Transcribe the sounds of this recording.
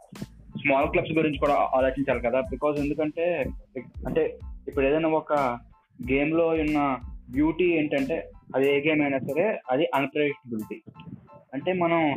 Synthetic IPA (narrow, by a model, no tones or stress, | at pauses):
smaːlklɐbsɡɐɾiɲt͡ʃi̥kuːɽaːʔaːlɐːt͡ʃiɲt͡ʃaːlikɐd̪aːbikaːze̞nd̪ukɐɳʈe̞ː | ɐɳʈe̞ːipːuɽeːd̪ɐjnaːɔkɐ | ɡeːmlo̞ːjunːɐbjuːʈiːe̞ːɳʈɐɳʈe̞ːɐd̪ieːɡeːmɐjnaːsɐɾe̞ːɐd̪iʔɐnpɾɐɖik̚ʈɐbiliʈi | ɐɳʈe̞ːmɐnɐm